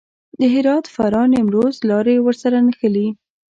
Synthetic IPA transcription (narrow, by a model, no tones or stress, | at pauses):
d̪əɦɪɾɑt̪faɾɑnɪmɾozlɑɾewəɾsaɾanəxəli